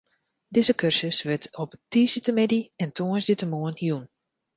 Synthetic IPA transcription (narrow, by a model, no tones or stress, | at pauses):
dɪzəkʰørsəsʋɪtʰɔptiːsitəmɪdiɛntʰoənsditəmoənhjun